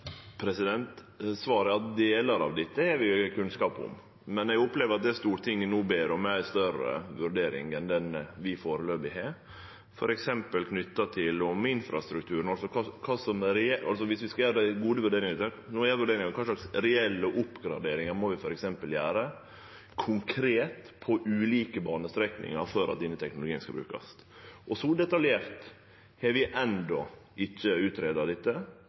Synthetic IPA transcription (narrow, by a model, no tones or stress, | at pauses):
pʰɾɛsɪd̪ɛnt̪ | sʋɑːɾəɑtd̪eːlɑɾɑ̰ʋd̪ɪt̪ːəhɛɾʋɪkʰʉnskɑːpʊ̰m | mɛnɛɡʊpleːʋəɾɑt̪̚d̪ɛst̪uːɾt̪ʰɪŋːənuːbeːɾɔmːæɪst̪œɾə̰ʋʉɾɖeːɾɪ̰ŋɛnd̪ɛnʋɪfoːɾəløːbɪhɛ | fɔ̰ɾʔɛksɛmpəlkʰnʏt̪ːɑt̪ʰɪlʊmɪnfɾɑ̰st̪ɾʉk̚t̪ʰʉːɾən̩ɑlsɔkʰɑkʰɑːsɔmɾɛɛɑ̰lsɔʋɪsʋɪskɑjæːɾəɡuːd̪əʋʉɖeːɾɪŋəɾɪt̪ɛnɔjæːʋʉɖeːɾɪŋɑkʰɑːʂɭɑksɾɛɛlːəɔʔʊpːɡɾɑ̰d̪eːɾɪŋɑɾmɔʋɪfɔɾɛksɛmpəljæːɾə | kʰʊŋkʰɾeːt̪pʰɔʔʉːliːkəbɑːnəst̪ɾɛknɪ̰ŋɑ̰ɾfɔɾʔɑt̪̚d̪ɪnːət̪ʰɛknʊlʊɡiːənskɑlbɾʉ̰ːkɑ̰s | ʔɔsɔd̪ɛt̪ɑljeːɾt̪ | hɛɾʋɪʔɛnd̪ɔʔɪçːəʉːt̪ɾeːd̪ɑd̪ɛt̪ːə